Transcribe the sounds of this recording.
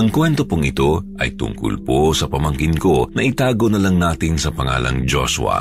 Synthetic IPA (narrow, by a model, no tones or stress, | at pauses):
ʔɐŋkwɛnt̪o̞poŋɪt̪o̞ʔɐ̰jt̪ʊ̰ŋkʊ̰lposɐpɐmɐŋkɪnko̞nɐʔɪt̪aːɡonɐlɐŋnaːt̪ɪnsɐpɐŋa̰ːlʔɐ̰ŋd͡ʒo̰sʊ̰ɐ̰